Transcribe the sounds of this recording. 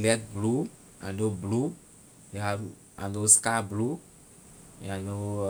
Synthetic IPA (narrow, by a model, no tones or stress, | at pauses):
lɛt̪̚blu | ã̰ndoblu | jeɦaɾu | ã̰ndoskablu | ãndo